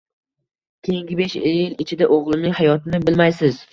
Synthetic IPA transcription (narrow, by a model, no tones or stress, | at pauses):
kʲʰejɪŋɡʲɪbeʃejɪlɪt͡ʃʰɪd̪aʔoʁlˠɪnɪŋhajɒt̪ʰɪnɪbɪlmajsɪz